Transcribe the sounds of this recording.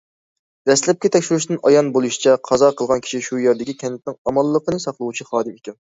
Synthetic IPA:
d̪̥ɛslɛp̚kʲɛt̪ʰɛkʲʃyɾyʃ̬d̪ɨnɑjɑnbolˠuʃi̥t͡ʃʰɛqʰɑzɑqʰəlˠʁɑnkʲʰi̥ʃiʃujeɾd̪ɪkʲikʲʰɛnɪt̪̚nɪŋɑmɑlˠːəqənɨsɑqlˠəwut͡ʃʰiχɑːd̪ɨmekʲɛn

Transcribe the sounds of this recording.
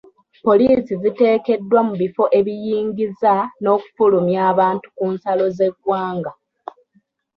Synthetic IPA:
po̞liːsizite̞ːke̞dːwamuβifo̞ʔe̞βijiːŋɡizano̞ːku̥fulumjaːβaːntu̥kuːnsalo̞ze̞ɡwaːŋɡa

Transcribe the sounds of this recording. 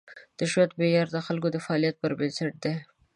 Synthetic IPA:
d̪̥əʃwat̪bejɑɾd̪əxalk̬od̪əfaɑlijat̪̚pəɾbənsaʈ̚d̪e

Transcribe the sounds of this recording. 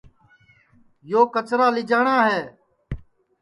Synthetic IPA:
joːkət͡ʃɾaːlɪd͡ʒaːɳaːɦeː

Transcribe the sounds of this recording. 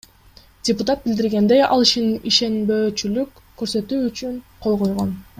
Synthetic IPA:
d̥ʲɪpʊt̪at̪̚bild̪iɾɡe̞nd̪e̞jɑ̰lˠiʃiniʃe̞nbø̞ːt͡ʃylyk | kːøɾsø̞t̪yːt͡ʃyŋqʰo̞lˠqo̞jʁo̞n

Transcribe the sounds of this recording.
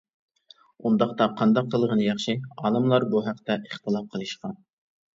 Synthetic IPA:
und̪ɑχt̪ɑqʰɑnd̪ɑqʰːəlˠʁənɨjɑχʃiɑːnɨmlˠɑɾbuɦæqt̪ɛʔəχt̪ʰɨlˠɑp̚qʰəlˠɨʃqɑn

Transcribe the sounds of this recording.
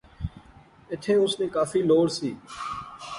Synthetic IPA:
ɪt̪ʰeːʊsnẽːkaːfiːloːɽsiː

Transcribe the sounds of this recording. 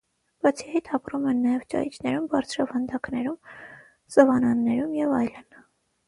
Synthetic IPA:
b̥ɑt͡sʰijɑit̪ʰɑpɾumɛnːɑjɛvt͡ʃɑ̰jit͡ʃʰnɛɾumbɑɾt͡sʰɾɑvɑnd̪ɑknɛɾum | sɔvɑnɑnːɛɾumjɛvɑjlən

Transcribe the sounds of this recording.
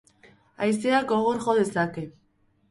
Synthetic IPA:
ajseakoɣ̞oɾʝo̞ðe̞sake̞

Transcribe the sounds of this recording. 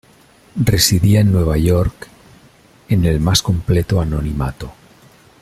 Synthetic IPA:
resiðiaenːwe̞β̞aʝoɾk | ene̞lmasko̞mplet̪oanonima̰t̪o

